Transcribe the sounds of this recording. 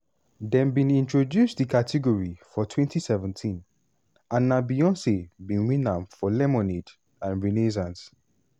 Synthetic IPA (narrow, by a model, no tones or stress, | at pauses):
dɛ̃nbĩnĩntɹodjustdikatʰiɡɔɹifɔtʰwɛ̃ntʰisɛvɛ̃ntʰĩn | ãnːabiɔ̃nsebĩnwĩnãmfɔlɛmɔned | ãnɹines̬ãns